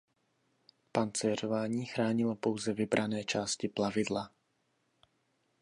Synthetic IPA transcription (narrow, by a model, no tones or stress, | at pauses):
pant͡sɛr̝o̞vaːɲiːxɾaːɲɪlopo̞wzɛvɪbɾʔanɛːt͡ʃaːscɪplavɪdla